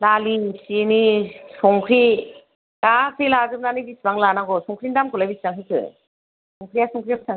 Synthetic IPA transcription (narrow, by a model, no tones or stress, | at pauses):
lalisinisɔŋkʰɾi | lasʰilazɯmnanibisbaŋlanaɡɔsɔŋkʰɾindamkʰulajbisbaŋɦɯkʰɯ̰ | sɔŋkʰɾiasɔŋkʰɾiakʰɯsʰaŋ